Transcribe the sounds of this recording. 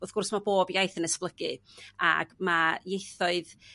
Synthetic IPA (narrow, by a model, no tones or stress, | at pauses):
ɔθɡʊrsmaboːbjajθənəsplˠəɡɨa̰ɡmajejθɔɨð